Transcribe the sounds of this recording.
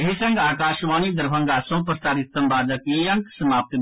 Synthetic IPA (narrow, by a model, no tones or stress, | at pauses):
eɦisɐ̃ŋɡaːkaːʃʋaːniːd̪ɐɾbʱɐ̃ŋɡaːsõːpɾəst̪aːɾit̪ːɐmbaːd̪ɐkiːjɐ̃ŋksɐmaːp̚t̪